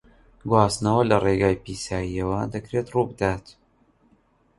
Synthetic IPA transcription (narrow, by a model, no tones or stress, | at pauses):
ɡwaːsnɐwɐlɐreɡaːjpiːsaːjijɐwɐd̪ɐkɾeːt̪ruːbɨd̪aːt̪